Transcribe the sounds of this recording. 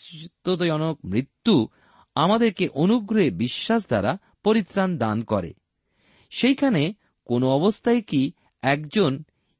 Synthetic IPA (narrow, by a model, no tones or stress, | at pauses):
t̪ːod̪ojɔnok̚mɾit̪ːu | amad̪eɾkeʔonuɡɾoebiʃːaʃ̬d̪aɾa | poɾit̪ːɾand̪ankɔɾḛ | ʃejkʰane | konoɔbost̪ʰaeki | ɛkd͡ʑon